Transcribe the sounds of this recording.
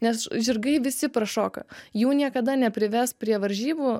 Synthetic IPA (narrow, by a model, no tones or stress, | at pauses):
nʲɛsʒʲɪrɡɐɪʋʲɪsʲɪpɾɐʃoːkɐ̰juːnʲiɛkɐd̪ɐnʲɛpʲɾʲɪʋʲɛspʲɾʲiɛʋɐɾʲʒʲiːbu